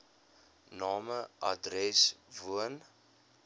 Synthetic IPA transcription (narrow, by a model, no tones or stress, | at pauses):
nɑːməʔɐ̰drɛsvuən